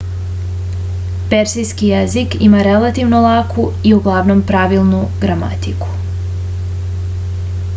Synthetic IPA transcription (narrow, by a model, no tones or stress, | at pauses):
peɾsijskijezikḭmaɾe̞lat̪iʋno̞lˠakʰu | iuɡlˠaʋno̞mpɾaʋilˠnuɡɾama̰t̪iku̥